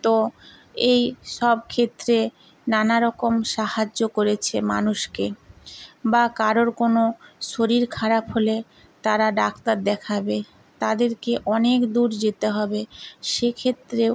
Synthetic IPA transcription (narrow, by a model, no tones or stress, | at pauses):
t̪o | ejʃɔb̚kʰet̪ːɾe | nanaɾɔkomʃahad͡ʑːokoɾet͡ɕʰema̰nuʃke | bakaɾoɾkonoʃoɾiɾkʰaɾapɦole | t̪aɾaɖakt̪aɾd̪ɛkʰabe | t̪ad̪eɾkeʔɔnekd̪uɾd͡ʑet̪eɦɔbeʃekʰet̪ːɾe